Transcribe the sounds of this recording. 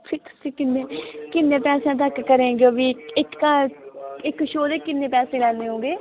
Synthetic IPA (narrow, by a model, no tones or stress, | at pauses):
pʰɪɾt̪ʊ̥sĩːkɪnːeːkɪnːẽːpɛːsãːt̪̬əkːəɾẽːɡʋiːɪkːa | ɪkʃoːd̪eːkɪnːẽːpɛːsẽːlɛːndeːɦõːɡeː